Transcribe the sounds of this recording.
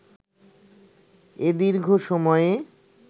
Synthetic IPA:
ed̪iɾɡʱoʃɔmɔee

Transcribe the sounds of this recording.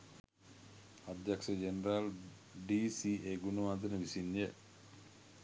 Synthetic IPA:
ad̪jaksəd͡ʒenəɾal | ɖiːsiʔeɡunumad̪ənəʋisinːjə

